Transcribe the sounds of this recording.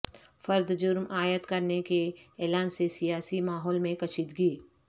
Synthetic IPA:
fɐɾd̪d͡ʒʊɾmʔaːjət̪kɐɾnekeɛːlaːnsesijaːsimaːɦɔːlmẽkɐt͡ʃɪt̪ɡiː

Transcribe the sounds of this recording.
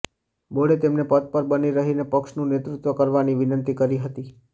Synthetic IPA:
boɽet̪emnepət̪̚pəɾbəniɾəɦinepəkʃnũnet̪ɾut̪ʋəkəɾʋaniʋɪnənt̪ikəɾiɦət̪i

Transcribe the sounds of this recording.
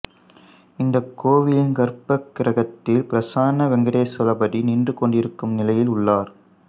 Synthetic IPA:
ɪnd̪ɐkːoːʋɪlɪnɡɐɾpɐkːɪɾɐɣɐt̪ːɪlpɪɾɐsaːnɐʋɛŋɡɐɽeːsɐlɐbɐɽiniːndrɯkɔɳɖɪɾɯkːɯmnɪlɐjɪlʊɭːaːɾ

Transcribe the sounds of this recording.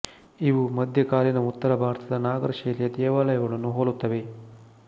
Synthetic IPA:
iʋumɐd̪ʱjɐkaːɾinɐut̪ːɐɾɐbʱaːɾt̪ʰɐd̪ɐnaːɡɐɾɐʃɐːlijɐd̪ɛːʋaːlɐjɐɡɐɭɐnːuɦoːlut̪ːɐʋe̞

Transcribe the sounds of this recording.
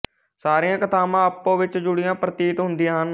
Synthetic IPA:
saːɾɪjãːkət̪aːmãːəpːõːʋɪt͡ʃd͡ʒʊɽɪjãːpɾət̪iːʈɦʊnd̪ɪãːɦən

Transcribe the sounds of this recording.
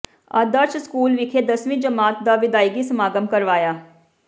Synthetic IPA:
aːd̪əɾt͡ʃskuːlʋɪkʰeːd̪əsʋĩːd͡ʒəmaːt̪̚d̪aːʋɪd̪aːɪɡisəmaːɡəmkəɾʋaːjaː

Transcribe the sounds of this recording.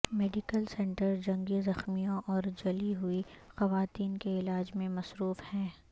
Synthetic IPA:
meːɖɪkəlsɛ̃ːɳʈəɾd͡ʒɐ̃ŋɡizɐxmijõʔɔːɾd͡ʒɐliɦuixɐʋaːt̪iːnkeɪlaːd͡ʒmẽmɐsɾuːfhɛ̃ː

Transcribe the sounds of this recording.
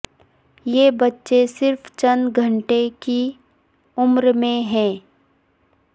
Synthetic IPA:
jeːbɐtːʃesɪɾft͡ʃɐnɡʱəɳʈeki | ʊmɾmẽɦɛ̃ː

